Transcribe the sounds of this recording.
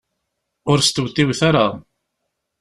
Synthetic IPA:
ʊɾst̪əwt̪ːiwθaɾa

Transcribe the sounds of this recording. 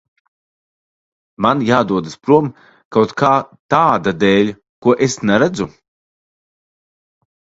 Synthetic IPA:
manjaːd̪uɔd̪aspɾuɔm | kawt̪kʰaːt̪aːd̪ad̪ɛːlʲ | kuɔʔesnɛɾad̪zu

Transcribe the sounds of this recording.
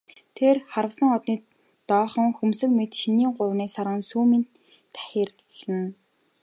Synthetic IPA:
t̪ʰerχaɾə̆wsə̆ŋɔt̪niː | t̪ɔːχɞ̆ŋxumsɵ̆kmet̪ʃiniːŋɢʊɾwniːsaɾʁə̆nsuːmint̪ʰː | æ̥xʲeːrɡe̥ɮɘ̆n

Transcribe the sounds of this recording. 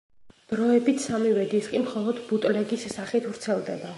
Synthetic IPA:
d̪̥ɾɔɛbit̪ʰsamiwɛd̪iskʼimχɔlˠɔd̪but̪ʼlɛɡisːaχit̪ʰvɾt̪sʰɛlˠd̪ɛba

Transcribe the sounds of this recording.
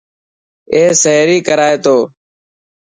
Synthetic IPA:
eːsəɦɾiːkəɾaːeːt̪oː

